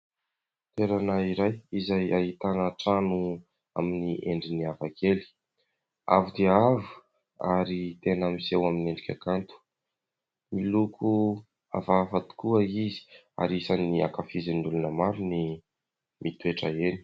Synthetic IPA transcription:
t̪eɾanaiɾajizajaɦit̪anəʈ͡ʂanu | aminiʔeɳɖ͡ʐiniavakʰeli̥ | a̰vud̪eavu̥ | a̰ɾit̪enəmisewamineɳɖ͡ʐikʲa̰kant̪u̥ | milukʰu | a̰vavat̪u̥kuəizi̥ | a̰ɾisaniakafizinulunəmaɾuni | mit̪ueʈ͡ʂəeni̥

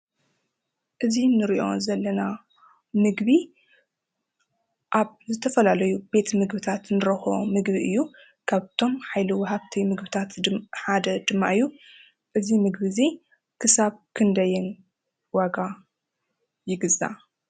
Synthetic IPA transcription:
ʔɨzinɨɾiʔo̞̰zɐlːɐna | mɨɡbi | ʔaβzɨt̪ʰɐfɐlalɐjube̞t̪mɨɡbɨt̪ʰat̪nɨɾɐxomɨɡbiʔɨjːu | kʰaβt̪ʰo̞mħajliwɔɦaβt̪ʰimɨɡbɨt̪ʰat̪ħad̪ɐd̪ɨmːa̰ʔɨjːu | ʔɨzimɨɡbɨzi | kʰɨsaβkʰɨnd̪ɐjɪn | waɡa | jɪɡɨza̰

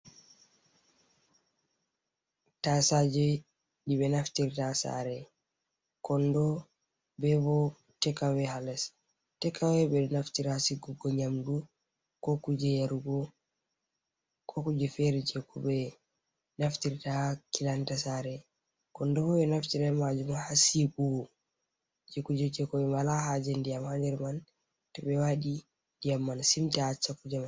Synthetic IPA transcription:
tasad͡ʒɔ | ɗibɛnaftiɾtasa̰ɾɛ | kɔndɔ | bɛbɔ | tɛkawɛhalɛs | tɛkawɛbɛnaftiɾasiɡuɡɔɲamdu | kɔkud͡ʒɛjaɾuɡɔ | kʰɔkud͡ʒɛfɛɾɛd͡ʒɛkubɛ | naftiɾtakilantasaɾɛ | kɔndɔhɔbɛnaftiɾɛmad͡ʒumahasiɡuɡɔ | d͡ʒɛkud͡ʒɛt͡ʃɛkɔbɛmalahad͡ʒɛndijamhand͡ʒɛɾman | tɛbɛwaɗi | dijamːansimtaat͡ʃːakːud͡ʒama

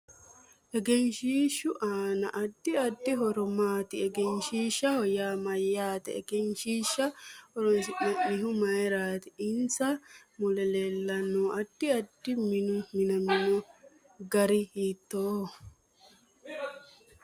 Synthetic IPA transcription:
ʔɛɡɛnʃiːʃːʊʔaːnɐʔɐd̪̥ːɪɐd̪ːɪɦɔɾɔmaːt̪ɪɛɡɛnʃiːʃːɐhɔjaːmɐjːaːt̪ɛɛɡɛnʃiːʃːɐhɔɾɔnsɪʔɐʔɪɦʊmɐjɾaːt̪ɪɪnt͡sɐmʊlɛleːlːɐnːoːɐd̪̥ːɪɐd̪ːɪmɪnʊmɪnɐmɪnɔ | ɡɐɾɪhiːt̪ːoː

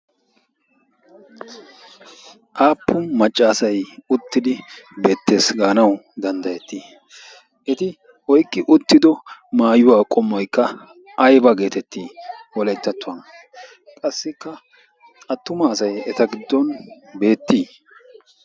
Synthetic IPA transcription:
ʔaːpːʊmɐt͡ʃʼːaːsɐjʊt̪ːɪd̪ɪbe̞ːt̪ːe̞ːsɡaːnɐwd̪ɐnd̪ɐjɛt̪ːiː | ʔɛt̪ɪ | hɔjkʼːɪʔʊt̪ːɪd̪ɔmaːjʊwaːkʼɔmːɔjkːɐ | ɐjbɐɡe̞ːt̪ɛt̪ːiːwɔlɛjt̪ːɐt̪ːʊɐn | kʼɐsːɪkːɐ | ɐt̪ːʊmɐːsɐjɛt̪ɐɡɪd̪ːɔnbe̞ːt̪ːiː

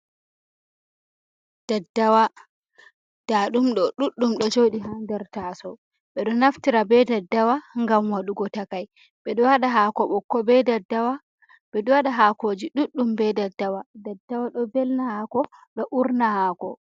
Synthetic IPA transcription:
d̥adːawa | d̥aɗumɗɔɗuɗːumɗɔd͡ʒoɗiɦandɛɾtasɔ | ɓɛɗɔnaftiɾabɛdadːawaŋɡamwaɗuɡɔtakaj | ɓɛɗɔwaɗaɦakɔɓɔkːɔbɛdadːawa | bɛɗɔwaɗaɦakod͡ʒiɗuɗːumbɛdadːawadadːawaɗɔbɛlnahakɔɗɔʔuɾnahaːkɔ

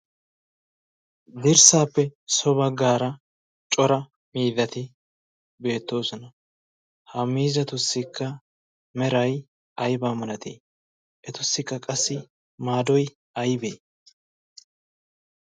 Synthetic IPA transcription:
d̪ɪɾsaːpːɛsɔbɐɡaːɾɐ | t͡ʃʼɔɾɐ | miːd̪ɐt̪ɪ | be̞ːt̪ːo̞ːsɔnɐ | hɐmːiːzɐt̪ʊsːɪkːɐ | mɛɾɐj | ɐjbaːmɐnɐt̪ḛː | ʔɛt̪ʊsːɪkːɐkʼɐsːɪ | maːd̪ɔj | ɐjbeː

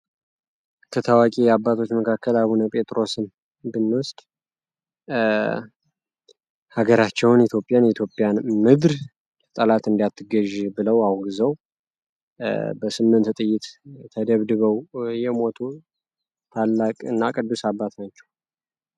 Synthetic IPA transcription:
kʰət̪ʰəwakʼijabːat̪ʰo̞t͡ʃːməkʰakʰːəlaβunəpʼet̪ʼɾo̞sɨm | bɨnːwʊst̪ʼ | haɡəɾat͡ʃːɛwnit̪jo̞pʼjanjɛt̪ʰjo̞pʼːjanmɨd̪ɾʰ | t̪ʼəlat̪ɨnd̪ijat̪ʰːɨɡəʒbɨləwahuɡɨzəw | bəsɨmːɨnt̪t̪ʼɨjːɪt̪t̪ʰəd̪əβd̪ɨβəwjɛmo̞t̪ʰu | t̪ʰalːakʼɨnːakʼɨd̪ːusabːat̪nat͡ʃːɛw

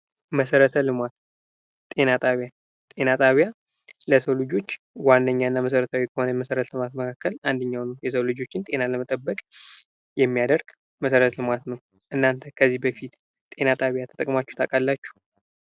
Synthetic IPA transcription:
məsəɾət̪ʰəlɨmat̪ | t̪ʼe̞nat̪ʼaβja | t̪ʼe̞nat̪ʼaβja | ləsəwlɨd͡ʒo̞t͡ʃː | wanːəɲːaɨnːaməs̬əɾət̪ʰawikʰəhonəməsəɾət̪ʰəlɨmat̪məkʰakːəland̪əɲːawnəwjɛsəwlɨd͡ʒo̞t͡ʃːɪnt̪ʼe̞naləmət̪ʼəbːəkʼ | jɛmːijad̪əɾɡ̥ | məsəɾət̪ʰəlɨmat̪nəw | ʔɨnːant̪ʰəkʰəzːibəfit̪ | t̪ʼe̞nat̪ʼaβjat̪ʰət̪əkʼmat͡ʃːu̥ht̪ʰakʼalːat͡ʃːu̥

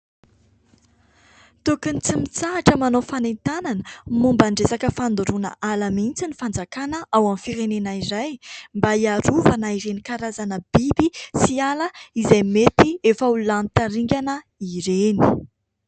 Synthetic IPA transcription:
t̪ukənit͡simit͡saɦaʈ͡ʂəmanofanent̪ananəmumbaɳɖ͡ʐesakəfand̪uɾunə̰ʔalamint͡sinifand͡zakanəʔawamifiɾenenaiɾajmbaiaɾuvanaiɾenikaɾazanəb̥ibisialəizajmet̪iefaulant̪aɾiŋɡʲanə | iɾeni̥

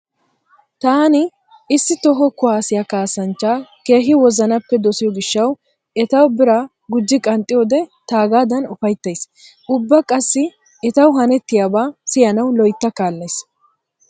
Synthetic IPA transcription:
t̪aːnɪ | ɪsːɪt̪ɔɦɔkʊwaːsɪjɐkaːsɐnt͡ʃːaːke̞ːɦɪwɔzɐnɐpːɛd̪ɔsɪjɔɡɪʃːɐw | ɛt̪ɐwbɪɾa | ɡʊd͡ʒːɪkʼɐnt̪ʼɪjɔːd̪ɛt̪aːɡaːd̪ɐnʊfɐjt̪ːɐjs | ʔʊbːɐkʼɐsːɪ | ɛt̪ɐwɦɐnɛt̪ːɪjaːbaːsɪjɐnɐwlɔjt̪ːɐkaːlːɐjs

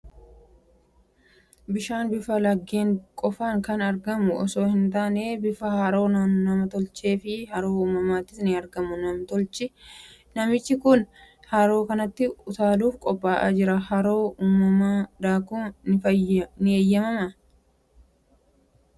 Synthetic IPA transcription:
bɪʃaːnbɪfɐlɐɡːeːŋkʼɔfaːŋkɐnɐɾɡɐmʊɔ̰so̞ːhɪnt̪̬aːneːbɪfɐhɐɾo̞ːnɐnɐmɐt̪ɔlt͡ʃe̞ːfɪhɐɾo̞ːuːmːɐmaːt̪ːɪsnɪɐɾɡɐmʊnɐmt̪ɔlt͡ʃɪnɐmɪt͡ʃːɪkʊn | haːɾo̞ːkɐnɐt̪ːɪʊt̪aːluːfkʼɔpʼːaːʔa̰ːd͡ʒɪɾɐhɐɾo̞ːuːmːɐmaːd̪aːkuːnɪfɐjnɪeːjːɐmɐmɐ

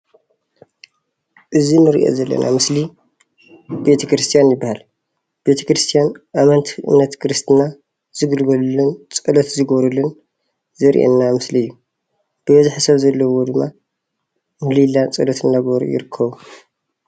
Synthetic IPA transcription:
ʔɨzinɨɾḭʔo̰zɐlːɐ̰nʔa̰mɨsli | be̞t̪ʰɐkɾɨst̪ʰijanjɪbːahal | b̥e̞t̪ʰɐ̥kɾɨst̪ʰijanʔamɐnt̪ʰʔɨ̰mnɐt̪kʰɨɾɨst̪ʰɨna | z̥ɨɡɨlɡɐlulɨnt͡sʼɨlɐt̪zɨɡoβɾulːɨn | zɐɾḭʔḛnːamɨsliɨjːu | b̥ɨbɐziħasɐβzɐlːɐwo̞d̪ɨmːa | mɨlilːat͡sʼɨlɐt̪ʰɨnːaɡoɾṵjɪ̰ɾɨkʰːɐβu

